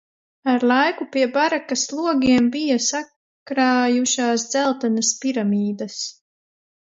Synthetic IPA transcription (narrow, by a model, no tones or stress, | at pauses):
aɾlˠajkupiɛbaɾakaslˠuɔɡʲiɛmbijasa | kɾaːjuʃaːsd̪zælˠt̪anɐspiɾamiːd̪ɐs